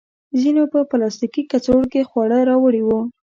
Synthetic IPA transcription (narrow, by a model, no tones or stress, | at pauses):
zinopəplɑst̪ikikat͡soɽkexwɑɽəɾɑwəɽiwu